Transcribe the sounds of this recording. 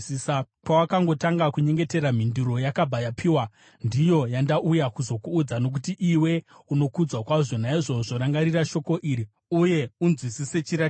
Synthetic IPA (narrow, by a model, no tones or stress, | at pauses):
isa | pawakaŋɡo̞taŋɡakuɲe̞ŋɡe̞te̞ɾam̤induɾo̞jakabʱajapʰiːwa | ndijo̞jandaʔujakuzo̞kuːd͡zanok̬utiʔiwe̞uno̞kud͡zwakwaʐo̞naiʐo̞ʐo̞ɾaŋɡaɾiraʃo̞ko̞ʔiːɾi | uje̞unzwisise̞t͡ʃiɾa